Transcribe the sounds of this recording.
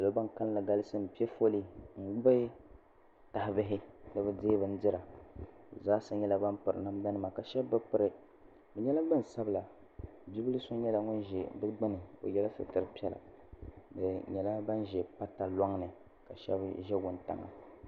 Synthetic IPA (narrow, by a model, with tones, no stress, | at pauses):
a˨lo˦ba˦ŋka˦llɨ˨ɡa˦lɨ˦sɨ˦m̩˨pi˦ɛ˦fo˦li˦ŋ̩˨˦ɨ˦ | ta˨hɪ˨bɨ˦ɦɪ˦nɨ˦bɛ˦deː˦bɨ˨n̩˦dɨ˦ɾa˨ | zaː˦sa˦ɲɛ˦la˦ba˦mpɨ˨ɾɨ̰˨na˦m˦ba˦nɨ˦ma˨ka˨ʃɛ˦bːɨ˦pɨ˦ɾɨ˨ | bɛ˨ɲɛ˦la˦ɡ͡bɨ˦n˨sa˦bɨ˨la˨ | bi˦bɨ˦lɨ˦so˦ɲɛ˦la˨ŋʊ˦n˦ʒɛ˨bɨ˦ɡ͡bɨ˦nɨ˨o̰˨jɛ˦la˦sɨ̰˦tɨ˨ɾɨ˦pi˦ɛ˦la̰˨ | dɨ˨ɲɛ˨la˦ba˦nʒɛ˨pa˦ta˨la˦ŋ˦nɨ˨ | ka˨ʃɛ̰˦bʒɛ˦ɡʊ˨nta̰˨ŋa̰˨